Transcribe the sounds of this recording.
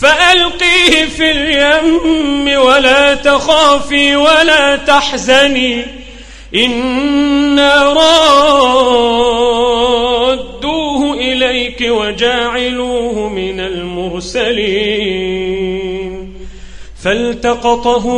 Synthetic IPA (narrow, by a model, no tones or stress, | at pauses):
faʔalqiːhɪfiljamːɪwalaːt̪axaːfiːwalaːt̪aħzaniː | ʔɪnː | aːɾˤɑː | d̪d̪ːuːhʊʔɪlajkɪwad͡ʒaːʕaluːhʊmɪnalmʊɾsaliː | n | falt̪ɑqɑt̪ˤɑɦʊ